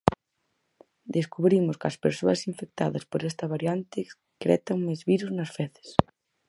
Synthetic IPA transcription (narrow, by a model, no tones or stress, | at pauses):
d̪eskuβɾimʊskɐspeɾsoɐsiɱfek̚t̪a̰ðɐspoɾɛst̪ɐβaɾjant̪ɪ | kɾɛ̰t̪aŋmezβiɾuznɐsfɛθe̥s